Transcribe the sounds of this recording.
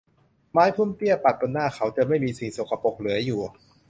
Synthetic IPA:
maː˦˥jpʰu˥˩˨mt̪i˥˩əpa˨˩t̪̚po˧nːaː˥˩xʰa˦˥wt͡ɕa˨˩ma˥˩jmiː˧si˨˩ŋso˨˩kʰa˧po˨˩k̚lɯ˩˦ɐjuː˨˩

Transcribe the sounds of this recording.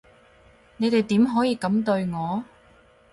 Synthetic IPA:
ne˨˧jt̪e˨jt̪iː˨˥mɦɔː˨˥jiː˨˧kɐ˨˥mt̪ɵ˧ɥŋɔː˨˧

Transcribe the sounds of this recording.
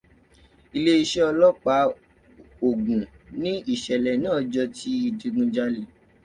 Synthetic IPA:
i˧le˦i˧ʃe˦ɔ˧lɔ˦k͡pa˨˦ | o˨ɡũ˨ | nĩ˦i˦˨ʃɛ˨lɛ˨nã˦ɔ˧d͡ʒɔ˧tʰi˧i˧˨di˧ɡũ˧d͡ʒa˦li˦˨

